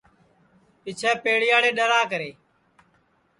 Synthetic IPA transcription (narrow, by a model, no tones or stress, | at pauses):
pɪt͡ʃʰɛːpeːɽɪjaːɽeːɗəlaːkəɾeː